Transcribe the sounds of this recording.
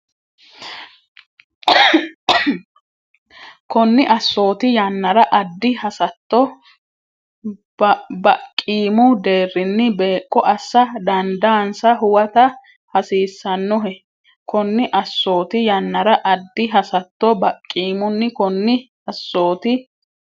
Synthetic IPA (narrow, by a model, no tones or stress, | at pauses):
kɔnːɪʔɐsːo̞ːt̪ɪjɐnːɐɾɐʔɐd̪ːɪhɐsɐt̪ːɔ | bɐkʼːiːmʊd̪e̞ːrːɪnːɪbeːkʼːɔʔɐsːɐd̪ɐnd̪aːnsɐɦʊwɐt̪ɐ | hɐsiːsːɐnːɔɦɛ | kɔnːɪʔɐsːo̞ːt̪ɪjɐnːɐɾɐʔɐd̪ːɪɦɐsɐt̪ːɔbɐkʼːiːmʊnːɪkɔnːɪ | ɐsːo̞ːt̪ɪ